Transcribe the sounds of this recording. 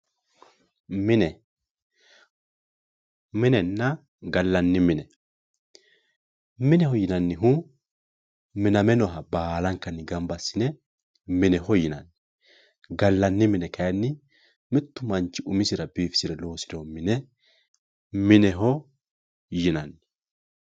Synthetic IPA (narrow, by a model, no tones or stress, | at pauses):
mɪnɛ | mɪnɛnːɐ | ɡɐlːɐnːɪmɪnɛ | mɪnɛhɔjɪnɐnːɪɦʊ | mɪnɐmɛnɔɦɐbaːlɐŋkɐnːɪɡɐmbɐsːɪnɛ | mɪnɛɦɔjɪnɐ̰nːɪ | ɡɐlːɐnːɪmɪnɛkɐjɐnːɪ | mɪt̪ːʊmɐnt͡ʃːɪʔʊmɪsɪɾɐbiːfɪ̥sɪɾɛlo̞ːsɪd̪ɔhɔmɪnɛ | mɪnɛɦɔ | jɪnɐnːɪ̥